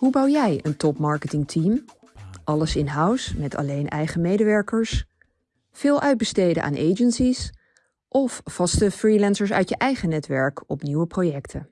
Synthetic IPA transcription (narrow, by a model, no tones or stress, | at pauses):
ɦubɑwjɛjəntɔpmɑɹkətɪŋtʰim | ʔɑləsɪnɦʌwsmɛtʰɑ̰lejnɛjχəmejdəʋɛɹkəɹs | v̥ɪːlˠʔœɥd̚bəstejdə̰ʔa̰ːnʔejd͡ʒənsis | ʔɔfːɑstəfrilɛnsəɹsœ̰ɥtjəʔɛjχənɛtʋɛɹkʰɔpniwəprojɛktʰə